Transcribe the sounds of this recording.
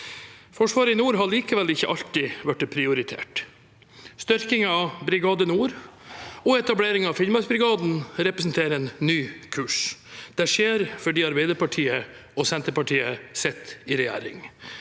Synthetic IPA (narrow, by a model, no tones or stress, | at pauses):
fɔʂʋɑːɾəɪnuːɾɦɑɭiːkəʋɛlɪçːə̰ʔɑʎt̪ɪʋæʈːpʰɾɪʊɾɪt̪ʰḛːʈ | st̪ʏɾkɪŋɑbɾɪɡɑːd̪ənuːɾ | ɔɛt̪ɑbleːɾɪŋɑfɪlmɑsbɾɪɡɑːd̪n̩ɾɛpɾəsnt̪ʰeːɾəɛːnːyːkʰʉːʂd̪̥æʂeːɾfɔɖiːɑɾbæɪd̪əɾpɑʈʰiːə | ɔsɛnt̪əɾpɑʈʰiːəsɛt̪ːɪɾɛjæ̰ːɾɪ̰ŋ